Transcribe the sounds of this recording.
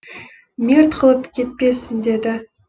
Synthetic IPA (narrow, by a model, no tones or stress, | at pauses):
mʲirt̪qʰəlˠəpkʲʰe̞t̪̚pe̞sɪnd̪e̞d̪ɪ